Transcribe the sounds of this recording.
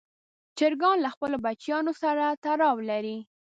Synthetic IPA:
t͡ʃɪɾɡɑnlaxpəlobat͡ʃjɑnosaɾat̪aɾɑwlaɾi

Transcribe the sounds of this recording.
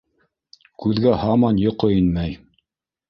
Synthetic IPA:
kʉðɡæhɑmɑnjŏqɤinmæj

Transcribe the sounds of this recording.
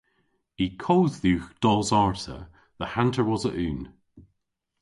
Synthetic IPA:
ikʰoːððʉːxd̥ɔzaɹtə̰ | ðəhãntʰəɹwɔzəʔʉːn

